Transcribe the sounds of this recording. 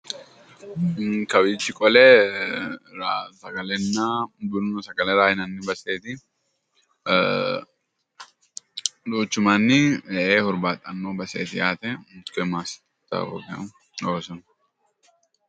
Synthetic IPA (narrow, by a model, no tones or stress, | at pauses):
kɐbiːt͡ʃːɪkʼɔlɛ | ɾasɐɡɐlɛnːɐbʊɾnɔsɐɡɐlɛɾaːjɪnɐnːɪbɐseːt̪ɪ | luːt͡ʃːʊmanːɪʔeːhɔɾbaːt̪ʼːɐnːoːbɐsḛːt̪ɪjaːt̪ɛmʊt̪kɛmaːs | t̪ːɐ̰o̰ːkɪɐ̰ | oːsɔn